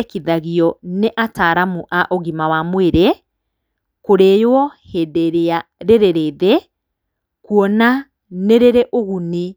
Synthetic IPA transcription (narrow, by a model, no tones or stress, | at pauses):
kiðaɣiɔneʔataːɾamuʔaʔoɣimawamweɾe | koɾejoɔhedeɾeaɾeɾeɾeðɛ | kuɔna | neɾeɾeʔoɣuni